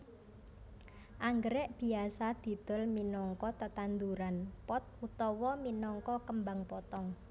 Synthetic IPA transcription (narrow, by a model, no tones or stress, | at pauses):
ʔaŋɡəɾɛʔb̥i̤asad̪̥i̤d̪̥ɔ̤lminɔŋkɔt̪ət̪and̪uɾanpɔt̪̚ut̪ɔwɔminɔŋkɔkəmbaŋpɔt̪ɔŋ